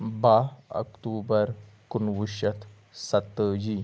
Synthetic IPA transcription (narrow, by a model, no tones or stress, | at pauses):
baə̰kʈubəɾ | kunʋuɕət̪ | sat̪ːəd͡ʑi